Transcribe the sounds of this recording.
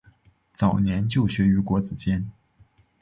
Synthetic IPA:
t͡sɑ˨˩ʊnjɛ˧˥nt͡ɕjo˥˩ʊɕɥɛ˧˥y˧˥kwɔ˧˥t͡sɹ̩˨˩t͡ɕjɛ˥n

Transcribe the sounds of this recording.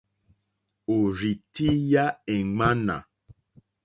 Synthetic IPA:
o˨ɾi˨ti˦ja˦ɛ˨ŋ͡ma˦na̰˨

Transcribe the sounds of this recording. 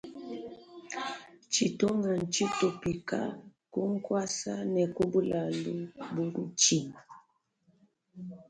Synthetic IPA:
t͡ʃi˨to˦ŋa˨n̩˨t͡ʃi˦to˨pi˨ka̰˦ku˦ŋ̩˦kwa˦sa˦nɛ˨ku˦bu˦la˨lu˦bu˦n̩˦t͡ʃi˦˨ŋ

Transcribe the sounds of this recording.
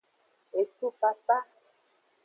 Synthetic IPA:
e˨su˦pa˨pa˦

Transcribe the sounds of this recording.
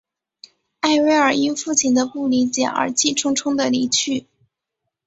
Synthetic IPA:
a˥˩ɪwe˥ɪə˞˨˩i˥nfu˥˩t͡ɕʰi˨˩nd̪ə˦pu˥˩li˧˥t͡ɕjɛ˨˩ə̰˞˧˥t͡ɕi˥˩ʈ͡ʂʰʊ˥ŋʈ͡ʂʰʊ˥ŋd̪ə˨li˧˥t͡ɕʰy˥˩

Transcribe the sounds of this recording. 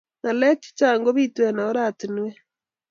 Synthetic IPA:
na˨lɛ˦t͡ʃi̥˦t͡ʃaː˨ŋɡo˦βi˦twɛna˨o˦ɾatinwɛ˦

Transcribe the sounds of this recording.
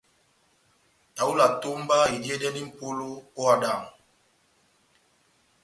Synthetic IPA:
ta˨u˦la˨to˦mba˦e˨di˦e˦dɛ˦ni˦m̩˨po˦lo˦o˦a˨da˨ŋ˨

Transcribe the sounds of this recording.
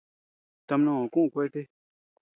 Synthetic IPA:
t̪a˧mnã˦˨ã˨kũ˦˨kʷe˦jʈe˦

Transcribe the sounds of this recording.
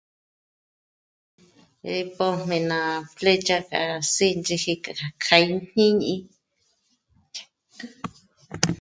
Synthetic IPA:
ɾi˧po˧m̥ẽ˧˨nã˨˧fle˦t͡ʃa˦ka̰˧si˦˧nt͡ʃi˧hi˧ka˨ka˨kʰa˧i˦n̥ĩ˦ɲĩ˦ | t͡ʃḁ˧˦

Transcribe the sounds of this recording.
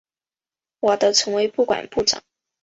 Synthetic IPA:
wɔ˨˩d̪ə˦˥t͡sʰɤ˧˥ŋwe˧˥ɪpu˥˩kwa̰˨˩npu˥˩ʈ͡ʂɑ̰˨˩˦ŋ

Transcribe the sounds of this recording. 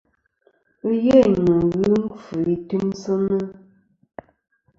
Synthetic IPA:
ə˦je˦˨nə˨ɣɨ˦m̩˦fə˨i˨tʉ˦msə˦nə˦

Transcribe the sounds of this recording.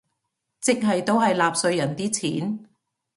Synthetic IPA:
t͡sɪ˥k̚ɦɐ˨jt̪o˥wɦɐ˨jlaː˨p̚sɵ˧ɥjɐ˨˩nt̪iː˥t͡sʰiː˨˥n

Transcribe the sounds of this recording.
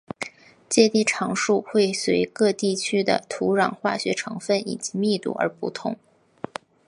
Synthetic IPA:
t͡ɕjɛ˥˧t̪i˥˩ʈ͡ʂʰɑ˧˥ŋʂu˥˧xwe˥˩ɪswe˧˥ɪkɤ˥˧t̪i˥˩˧t͡ɕʰy˥d̪ə̰˨˩t̪ʰu˧˥ɻɑ̰˨˩ŋxwa˥˩ɕɥɛ˧˥ʈ͡ʂʰɤ˧˥ŋfə˥˩nḭ˨˩t͡ɕi˧˥mi˥˧t̪ṵ˥˩ə̰˞˧˥pṵ˧˩t̪ʰʊ̰˧˥˦ŋ

